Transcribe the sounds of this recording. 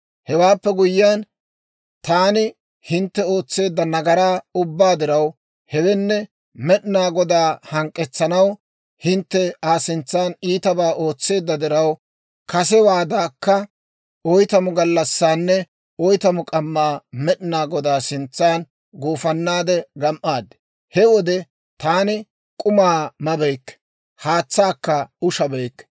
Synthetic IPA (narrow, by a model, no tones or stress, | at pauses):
hɛwaːpːɛɡʊjːaːn | t̪aːnɪ | hɪnt̪ːɛo̞ːt͡sːe̞ːd̪ːɐnɐɡɐɾaːʊbːaːd̪ɪɾɐw | hɛwɛnːɛ | mɛɗɪnaːɡɔd̪aːhɐŋkʼːɛt͡sːɐnɐw | hɪnt̪ːɛaːsɪnt͡sːaːniːt̪ɐbaːʔo̞ːt͡sːe̞ːd̪ːɐd̪ɪɾɐw | kɐs̬ɛwaːd̪aːkːɐ | ɔjt̪ɐmʊɡɐlːɐsːaːnːɛ | ɔjt̪ɐmʊkʼɐmːaːmɛɗnaːɡɔd̪aːsɪnt͡sːaːn | ɡoːfɐnːaːd̪ɛɡɐmʔaːd̪ːɛ̥ | hɛwɔd̪ɛ | t̪aːnɪ | kʼʊmaːmɐbɛjkːɛ̥ | haːt͡sːaːkːɐʊʃɐbɛjkːɛ̥